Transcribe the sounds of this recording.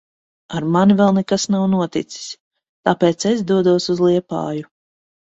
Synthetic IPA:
aɾmanivɛlˠnɛkasnawnuɔt̪ḭt̪si̥s | t̪apeːt̪ses̬d̪uɔd̪uɔsuzlˠiɛpa̰ːju

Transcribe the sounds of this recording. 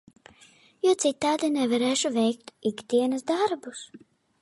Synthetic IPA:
juɔt̪sit̪ːaːd̪inɛvaɾɛːʃuvʲɛjkt̪iɡd̪ʲiɛnɐsd̪aɾbus

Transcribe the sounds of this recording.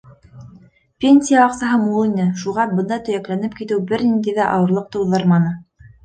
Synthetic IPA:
pʲenʲsʲijaɑqsɑɦɤmulˠinɘʃuʁɑbɤ̆nd̪ɑt̪ɵ̆jæklænɘp̚kit̪ɘwbɘɾnind̪æjðæʔɑwɤ̆ɾlˠɤq̚t̪ɤ̆wðɤɾmɑnɤ

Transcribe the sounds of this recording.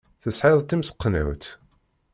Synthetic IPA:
θəsħɪðˤt̪ːimsə̥qːnæ̰wt̪

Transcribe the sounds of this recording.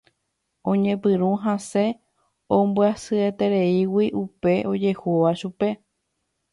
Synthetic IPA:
õ̞ɲẽ̞pɨɾ̃ũɦãse̞ | ombɨasɨet̪e̞ɾe̞iwiʔupe̞ʔo̞d͡ʒe̞huʋaʃupe̞

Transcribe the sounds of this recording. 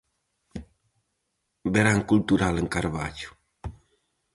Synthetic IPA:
beɾaŋkult̪uɾaləŋkaɾba̰d͡ʒu̥

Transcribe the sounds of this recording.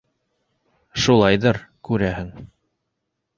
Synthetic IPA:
ʃulˠɑjðɤɾkʉɾæhɘŋ

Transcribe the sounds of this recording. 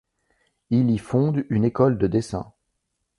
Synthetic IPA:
ilifɔ̃d̪ynekɔld̪əd̪esɛ̰̃

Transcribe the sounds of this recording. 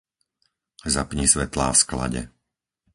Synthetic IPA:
zapɲisʋɛt̪la̰ːfskla̰ɟɛ̰

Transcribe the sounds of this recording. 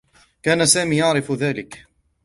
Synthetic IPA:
kaːnasaːmiːjaʕɾɪfðaːlɪk

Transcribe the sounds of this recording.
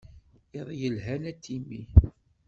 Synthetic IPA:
iðˤjəlɦænæt̪ʰːimi

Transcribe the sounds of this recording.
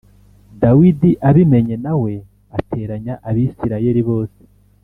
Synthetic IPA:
dawidiʔaβime̞ɲe̞nawe̞ | atʰe̞ːɾaɲaʔaβisiɾaje̞ɾiβo̞ːse̥

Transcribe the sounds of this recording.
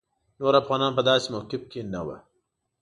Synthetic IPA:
noːɾafɣɑːnɑːnpəd̪ɑːsemokɪfkenawa̰

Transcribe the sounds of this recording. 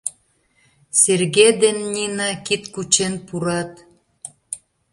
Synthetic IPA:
serɣed̪enːinɑkit̪kut͡ɕenpuɾɑt̪

